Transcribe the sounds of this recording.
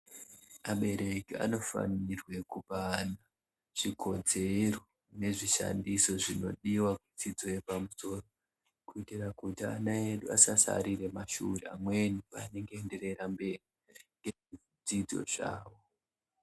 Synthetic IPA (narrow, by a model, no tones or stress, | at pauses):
maɓe̞ɾe̞kia̰no̞fa̰nirwe̞kupana | ʐ̥ikʰo̞d͡ze̞ro̞ | ne̞ʐiʃa̰ndiso̞ʐino̞̰ɗiwakud͡zid͡zo̞jepamuso̞ːro | kuitirakutia̰naeɗuasasa̰ɾiɾe̞maʃṵreamwe̞niane̞ŋɡeːnde̞ɾe̞ɾambe̞ri | ŋɡe | d͡zid͡zo̞̰ʐ̥a̰ːwo̞